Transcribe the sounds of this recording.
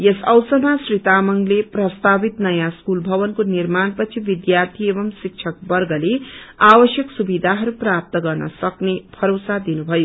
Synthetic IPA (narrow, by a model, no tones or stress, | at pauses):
jesʌwsʌnasrit̪amʌŋleprʌst̪abit̪nʌjãskulbʱʌβʌnkonirmanpʌt͡sʰibid̪jart̪ʰiebʌmsik̚t͡ʃʰʌk̚bʌrɡʌleabʌsjʌksubid̪ʱaɦʌɾuprap̚t̪ʌɡʌrnʌsʌknepʰʌɾosad̪inubʱʌjo